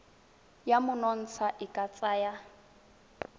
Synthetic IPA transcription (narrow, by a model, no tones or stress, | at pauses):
jamʊnɔn̩t͡sʰaʔɪkʼat͡sʼaːja